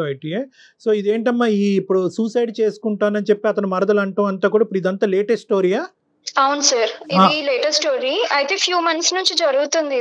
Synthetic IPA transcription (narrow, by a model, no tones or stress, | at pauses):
ɐjʈie | so̞ːid̪e̞ːɳʈɐmːaːiːpːuɽusuːsɐjɖt͡ʃeːsu̥kuɳʈaːnɐnit͡ʃepːiɐt̪ɐnumɐɾɐd̪ɐlɐɳʈɐːmɐnt̪aːkuːɽaɐipːɽid̪ɐnt̪aːleːʈesʈːʈoːɾiːaː | ɐwunusaːɾialeːʈɐsʈoːɾiɐjt̪eːpʰjuːmɐnsnuɲt͡ʃid͡ʒɐɾuɡut̪und̪i